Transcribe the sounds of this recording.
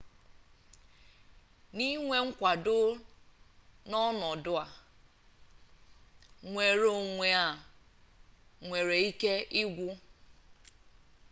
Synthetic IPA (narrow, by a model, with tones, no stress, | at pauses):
ni˦ŋʷe˦ŋ̩˦kʷa˨dʊ˦ | nɔ˦nɔ˨dʊ˦a˨ | ŋʷe˨ɾo˨ŋʷe˨a˨ | ŋʷe˨ɾe˨i˦ke˦ʔɪ˦ɡʷʊ˦